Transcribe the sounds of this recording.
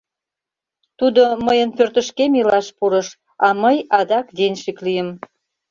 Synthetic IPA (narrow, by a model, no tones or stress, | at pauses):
t̪ud̪oməjənpørt̪əʃkemilɑʃpuɾəʃ | ɑməjɑd̪ɑkd̪enʲʃiklijəm